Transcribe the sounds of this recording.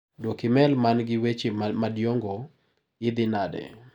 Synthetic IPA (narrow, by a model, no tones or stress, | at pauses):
dwokɪmɛlmanɡɪwet͡ʃemadjoŋɡo | ɪd̪ɪnadɛ̰